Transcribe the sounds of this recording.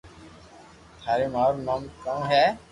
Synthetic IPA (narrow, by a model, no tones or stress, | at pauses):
t̪ʰaːɾeːmaːoɾmaːmkãːɦɛː